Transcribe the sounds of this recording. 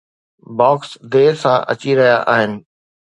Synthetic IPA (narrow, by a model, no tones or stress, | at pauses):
bɔːksd̪eːɾsãʔɐ̰t͡ɕiɾɐɦijaʔaːɦɪnɪ̆